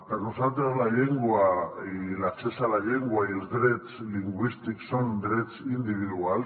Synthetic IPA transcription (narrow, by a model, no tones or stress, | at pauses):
t̪anosat̪̬alaʎeŋɡua | lat͡ʃesalaʎeŋɡuaielzd̪ɾet͡sliŋɡwist̪iksond̪ɾet͡sind̪iβ̞iðual